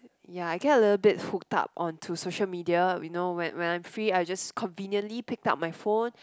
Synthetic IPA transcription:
jaaɪɡɛtəlɪtl̩bɪthuk̚ta̰p̚ʔɔ̃ntʰusoʃəlmidiajunowɛ̰̃nwɛ̃nãj̃mfɹiajd͡ʒaskʰɔ̃nvĩnjə̃nlipɪk̚ta̰p̚majfõn

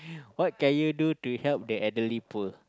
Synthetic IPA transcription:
wɔt̚kɛ̃njudutuhɛlp̚dəʔɛdəlipə

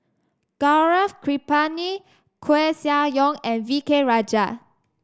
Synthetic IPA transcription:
ɡ̥aɹafkʰɹipani | kʰwesiajɔ̃ŋɛ̃nvikeɹad͡ʒa

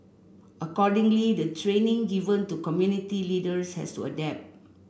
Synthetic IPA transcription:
ʔəkɔdĩŋlidətʰɹẽnĩŋɡivə̃ntukɔmjunitilidəshɛ̰stṵə̰dɛp̚t̚

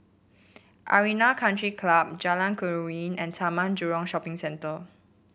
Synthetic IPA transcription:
ʔa̰ɹinakʰãntɹikʰlab̚d͡ʒalãnkʰɔɹĩnɛ̃nsamãnd͡ʒuɹɔ̃ŋʃɔpɪ̃ŋsɛ̃ntə

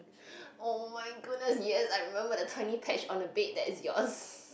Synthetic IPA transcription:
omaɪɡʊd̚ⁿnəsjisaɪjɹimɛ̃mbədətʰwɛ̃nipʰɛt͡ʃɔ̃nəbet̚dɛtɪsjɔ̰s

